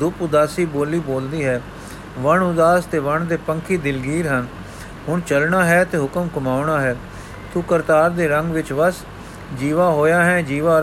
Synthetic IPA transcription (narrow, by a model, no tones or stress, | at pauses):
d̪ʊpʊd̪aːsiːboːliːboːld̪iːɦɛː | ʋəɳʊd̪aːst̪eːʋəɳd̪eːpəŋkʰiːd̪ɪlɡiːɾɦən | hʊɳt͡ʃəlɳaːɦɛːt̪eːɦʊkəmkʊmaːʊɳaːɦɛː | t̪uːkəɾt̪aːɾd̪eːɾəŋɡʋɪt͡ʃʋəs | d͡ʒiːʋaːɦoːjaːɦɛ̃ːd͡ʒiːʋaː